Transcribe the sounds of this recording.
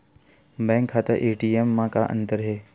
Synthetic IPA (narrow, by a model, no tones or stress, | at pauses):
bɛ̃ːŋkʰːaːt̪əɾʔeːʈiːemːãkaʔə̰̃nt̪əɾɦeː